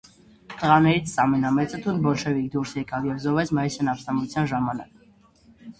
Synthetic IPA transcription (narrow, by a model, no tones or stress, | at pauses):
t̪əʁɑnɛɾit͡sʰsɑmɛnɑmɛt͡sət̪ʰunbɔlʃɛvikʰd̪uɾsjɛkɑvjɛvzɔvɛt͡sʰmɑisɛnɑfst̪ɑmvut͡sʰjɑnʒɑmɑnɑ̰k